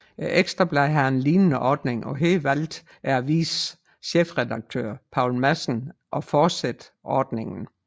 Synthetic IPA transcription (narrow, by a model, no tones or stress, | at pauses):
ʔeɡ̥sd̥ʁɐb̥læɪɦæenliːnənəʔɒːd̥ne̝ŋʔɒ̽ɦe̝ːlʋæl̰d̥ | æɐæʋḭːs | ɕefʁɛd̥ɑ̈ɡ̥̚t͡sʰø̰ːɐ̰pʰɑ̈ʊ̰lmæsn̩ʔɒ̽fɒːd̥sed̥ | ʔɒːd̥ne̝ŋn̩